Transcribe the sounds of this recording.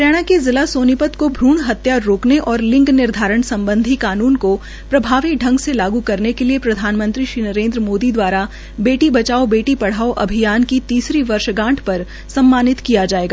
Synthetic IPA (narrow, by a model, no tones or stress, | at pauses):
ɾjaːɽ̃akezɪlasoːnɪpət̪kobʱɾuːɳɦɐt̪jaːɾːoːkneʔɔːɾlɪ̃ŋɡnɪɾd̪ʱaːɾəɽ̃sɐ̃mbə̃nd̪ʱikaːnuːnko | pɾɐbʱaːʋikɖʱɐ̃ŋɡselaːɡukɐɾnekeliepɾɐd̪ʱaːnmə̃nt̪ɾiʃɾiːnɐɾẽːnd̪ɾəmoːd̪id̪waːɾa | beːʈibɐt͡ʃaːobeːʈipɐɽ̤aːoʔɐ̰bʱijaːnkit̪iːsɾiʋɐɾʃɡãːʈʰpɐɾ | sɐ̃mːaːnɪt̪kijad͡ʒaːeːɡaː